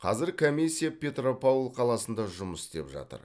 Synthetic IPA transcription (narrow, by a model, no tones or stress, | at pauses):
qʰɑ̰zɪɾkʰomʲisʲːijapʲe̞t̪ropolˠqʰɑlˠɑsənd̪ɑʒʊməsɪ̥st̪e̞pʒɑ̰t̪ə̰ɾ